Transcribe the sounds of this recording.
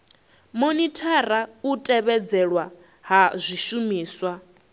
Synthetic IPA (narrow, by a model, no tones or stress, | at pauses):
monitʰaɾautʼɛβɛd͡zɛɺwa | ɦazʷiʃumiːswa